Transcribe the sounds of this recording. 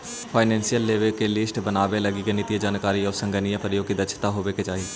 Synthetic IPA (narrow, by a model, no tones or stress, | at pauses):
pʰaːɪnɛ̃ːnsijəlːeːʋekelɪsʈbənaːʋeləɡikenit̪ijed͡ʒaːnkaːɾiɔːɾsə̃ŋɡənijəpɾəjoːɡkid̪ət͡ʃʰt̪aɦoːʋeket͡ʃaːi